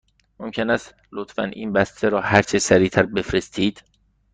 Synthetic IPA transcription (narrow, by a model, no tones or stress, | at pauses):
momcʰenæst̪ | lot̪fæ̰nʔḭːnbæst̪ʰeɾɒːhæɾt͡ʃʰesæɾiːt̪ʰæɾbe̞fɾe̞st̪ʰiːd̪̥